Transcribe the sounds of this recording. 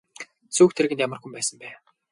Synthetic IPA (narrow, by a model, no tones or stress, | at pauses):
t͡suːkt̪ʰeɾ̆ɣɘ̆nt̪jamə̆rxumpæːsə̆mpæː